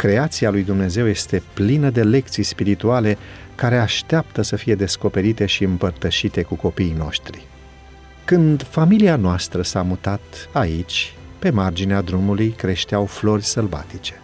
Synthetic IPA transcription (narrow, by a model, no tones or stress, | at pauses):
kɾe̞at̪sialujd̪umne̞ze̞wje̞st̪e̞plinəd̪e̞le̞k̚t̪sijspiɾit̪uale̞ | kaɾe̞aʃt̪eapt̪əsəfije̞d̪e̞sko̞pe̞ɾit̪e̞ʃiɨmpərt̪əʃit̪e̞kuko̞pijno̞̰ʃt̪ɾḭ | kɨnd̪familianoast̪ɾəsamut̪at̪ait͡ʃʲ | pe̞mard͡ʒinead̪ɾumulujkɾe̞ʃt̪eawflo̞rʲsəlva̰t̪it͡ʃe